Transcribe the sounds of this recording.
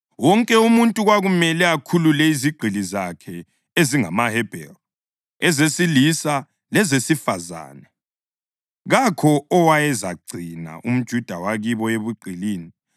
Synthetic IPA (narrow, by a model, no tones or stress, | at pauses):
wɔŋkʼɛumuntʼuɣwaɣumɛlɛakʰululɛiziɡ͡ǃʱilizakʰɛ | eziŋa̰mahɛb̥ʱɛ̰l | ɛzesilisa | lɛzesifaza̰ːnɛ | ɣakʰɔɔwajɛzaɡ͡ǀʱina̰ʔum̩d̥ʒ̥ʱud̥ʱawaɣiβɔeβuɡ͡ǀʱiliːni